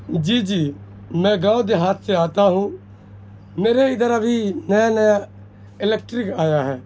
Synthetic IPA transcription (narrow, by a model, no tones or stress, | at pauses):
d͡ʒiːd͡ʒiː | mɛ̃ːɡaːod̪eːɦaːt̪ʰseaːt̪aːɦũː | meːɾeɪd̪əɾabʱiːnəjanəja | ɪleːkʈɾɪkaːjaɦɛː